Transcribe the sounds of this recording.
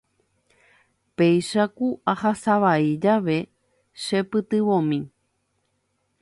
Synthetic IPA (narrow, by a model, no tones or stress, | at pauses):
pejʃakuʔahasaʋaid͡ʒaʋe̞ | ʃepɨt̪ɨʋõmĩ